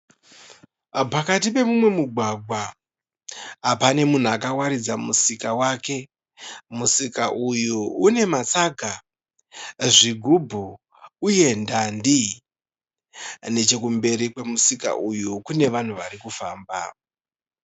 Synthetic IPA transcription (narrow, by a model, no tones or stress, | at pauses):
pakatipe̞mumwe̞muɡʱwaɡʱwa | pane̞mun̤uakawaɾid͡zamusikawaːke̞ | musikaʔujuune̞mat͡saɡʱa | ʐiɡʱubʱu | uje̞ndandi | ne̞t͡ʃe̞kumbe̞ɾikwe̞musika̰ʔujukune̞ʋan̤uʋaɾikufaːmba̰